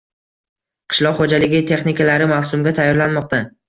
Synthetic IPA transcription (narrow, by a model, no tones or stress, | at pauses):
qʰɨ̥ʃlˠɒqχod͡ʒalɪɡʲɪt̪ʰe̞χnɪkʲalaɾɪmawsʊmɡʲat̪ʰajːɒɾlanmɒq̚t̪a